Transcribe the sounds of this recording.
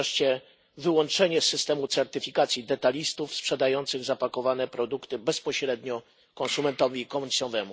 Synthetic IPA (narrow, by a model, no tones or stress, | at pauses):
ʂt͡ɕɛ | vɘwɔnt͡ʂɛɲɛsːɘst̪ɛmut̪sɛɾt̪ɘfʲikat̪sʲjid̪ɛt̪alʲist̪ufspʂɛd̪ajɔnt̪sɘɣzapakɔvanɛpɾɔd̪ukt̪ɘbɛspɔɕɾɛd̪ɲɔ | kɔnsumɛnt̪ɔvʲiːkɔmuɲʲsɔvɛmu